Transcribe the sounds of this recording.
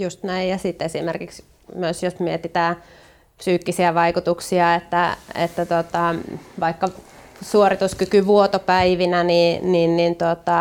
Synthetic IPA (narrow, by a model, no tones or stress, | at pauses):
just̪næijjɑsit̪ːesimerkiks | myøsjosmiet̪it̪æː | psyːkːisiæʋɑikut̪uksiɑet̪ːæḛt̪ːæt̪ot̪ɑʋɑikːɑ | suorit̪uskykyʋuot̪opæiʋinænininnint̪ot̪ɑ